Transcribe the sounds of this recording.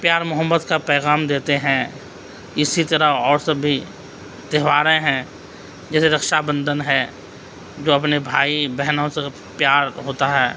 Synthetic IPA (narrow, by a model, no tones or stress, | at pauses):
pjaːɾmʊɦəmːət̪kapɛːɣaːmd̪eːt̪eɦɛ̃ | ɪsit̪ɐɾəɔːɾsɐbʱi | t̪ɛɦʋaːɾẽɦɛ̃ | d͡ʒɛːseɾɐkʃabə̃nd̪ʱənɦɛ | d͡ʒoːɐpnebʱaːibɛɦnõse | pjaːɾɦoːt̪aɦɛː